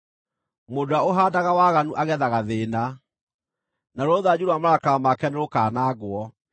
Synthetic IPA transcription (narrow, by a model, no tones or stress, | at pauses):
modoaoɦaːdaɣawaːɣanuʔaɣɛðaɣaðeːna | naɾooðad͡ʑuɾoamaɾakaamakɛneɾokaːnaːɣwɔ